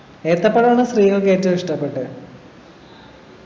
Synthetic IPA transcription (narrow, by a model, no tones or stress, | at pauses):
eːrt̪ːɐpːɐɽɐmaːɳːɐsriːɐkeːtːɨiʂʈɐpːeʈːɨ